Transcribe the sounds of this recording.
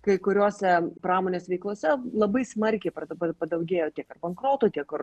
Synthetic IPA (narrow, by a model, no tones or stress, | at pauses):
kɐɪkʊɾʲuɔsʲɛpɾɑːmoːnʲeːsʲʋʲɛɪklˠuɔsʲɛlˠɐbɐɪsmɐɾʲkʲɛɪpɐpɐpɐd̪ɐʊɡʲeːjoːt̪ʲiɛkɐrbɐŋkɾoːt̪uːt̪ʲiɛkʊr